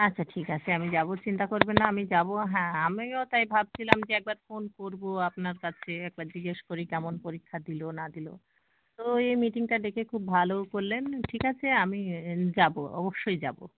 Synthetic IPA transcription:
atːɕʰaʈʰikat͡ɕʰeamid͡ʑabot͡ɕint̪akoɾbenaamid͡ʑaboɦɛ̃amiot̪ajbʱab̚t͡ɕʰilamd͡ʑeɛk̚baɾfonkoɾboapnaɾkat͡ɕʰeɛk̚baɾd͡ʑiɡeʃkoɾikɛmonpoɾikʰːad̪ilonad̪ilo | t̪oejmiʈiŋʈaɖekʰekʰubbʱalokoɾlenʈʰikat͡ɕʰeamid͡ʑabo̰ɔ̰boʃːojd͡ʑabo

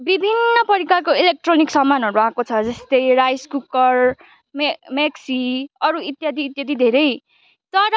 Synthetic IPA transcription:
bibʱinːʌpʌɾikarkoilek̚ʈroniksʌmːanʌɾuãkot͡sʰʌd͡zʌst̪ʌjrajskukʌr | mmeksiʌɾuit̪jad̪ʱiːt̪jad̪ʱid̪ʱeɾʌj | t̪ʌɾʌ

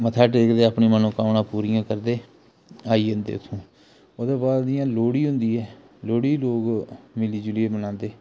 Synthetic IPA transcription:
mət̪ʰaːʈeːkd̪eːapɳiːmənũːkaːnãːpuːɾijãːkəɾd̪eː | aːiːɦʊ̃nd̪ḛːt̪ʰũː | oːd̪eːbaːd̪d̪ɪjãːloːɽiːɦʊ̃nd̪iːɛː | loːɽiːloːɡmɪliːd͡ʒʊleeːbənãːnd̪eː

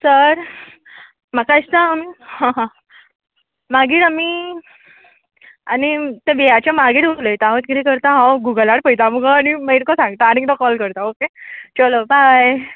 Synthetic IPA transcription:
səɾ | makaist̪aːmiɦãɦã | maɡiːɾami | anit̪ẽbejat͡ɕjamaɡiːʈuləjt̪ãɦõt̪kit̪ikəɾt̪ãɦãwɡuɡəlaɽpəjt̪amuɡaañiməiɾkɔsãŋɡt̪aːnit̪ɔkɔlkəɾt̪aoket͡ɕalobʱaj

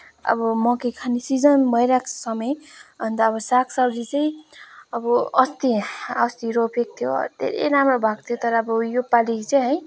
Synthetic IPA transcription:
ʌ̰bʌmʌkekʰanisid͡zʌnbʱʌjɾaksʌmʌjbʱʌnt̪ʌːbʌsakʰsawɾit͡sʌĩʌbʌʌst̪iʌst̪iɾopʰek̚t̪ʰjo̰d̪ʱḛɾḛjɾamrobʱaɡt̪ʰjot̪ʌɾʌːbʌjopalikt͡sʌj̃ɦʌj

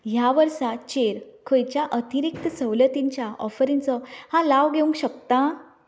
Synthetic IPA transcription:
ɦjaʋəɾsat͡ɕeɾkʰəjt͡ɕjaʔət̪ʰiɾik̚t̪əsəʋlət̪iɲt͡ɕjaɔfɾint͡sɔhãlaʋɡʱeũŋkɕəkt̪ã

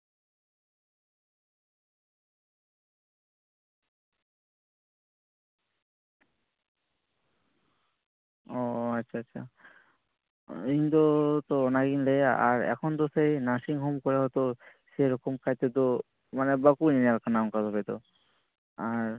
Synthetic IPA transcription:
ɔatːʃʰaatːɕʰa̰ | ind̪ot̪onaɡinleaʔaɾɛ̰kʰond̪osejnaʃiŋɦomkɔɾeɦɔt̪oseɾɔkomkajt̪ed̪o | manebakuninalkanamkazɦɔbed̪o̰ | aɾ

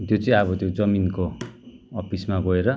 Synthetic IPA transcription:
t̪jot͡sʌĩʌβʌt̪jod͡zʌminkoː | pismaɡʌeɾʌ

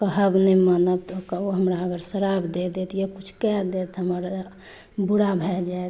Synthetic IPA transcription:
kəɦəbnɛmanəb̚t̪ɔkoɦəmɾaəɡəɾsəɾabd̪ed̪et̪jekut͡ʃʰkɛd̪et̪ɦəməɾ | buɽabʱɛd͡ʒaet̪

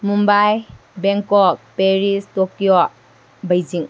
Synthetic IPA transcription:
mumbaj | beŋkɔk̚peɾistɔkijɔ | bɐjd͡ʒiŋ

